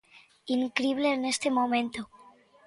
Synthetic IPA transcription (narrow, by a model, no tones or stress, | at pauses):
iŋkɾiβle̞ːne̞st̪e̞mo̞mẽ̞nt̪o